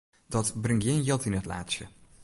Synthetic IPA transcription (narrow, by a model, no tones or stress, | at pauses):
d̥ɔtbrɪŋtjɛnjɪlˠtɪnətla̰ːtsjə̰